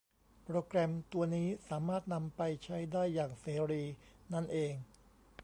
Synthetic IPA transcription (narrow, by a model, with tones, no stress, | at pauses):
pɾoː˧kɾɛ˧mt̪u˧ɐniː˦˥saː˩˦maː˥˩t̪̚na˧mpa˧jt͡ɕʰa˦˥jdaː˥˩jːaː˨˩ŋseː˩˦ɾiː˧na˥˩nʔeː˧ŋ